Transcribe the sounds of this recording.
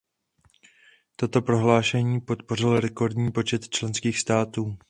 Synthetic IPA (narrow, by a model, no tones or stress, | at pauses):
t̪o̞t̪o̞pɾo̞ɦlaːʃɛɲiːpo̞t̪po̞r̝ɪlɾɛko̞ɾdɲiːpo̞t͡ʃɛt̪t͡ʃlɛnskiːxst̪aːt̪uː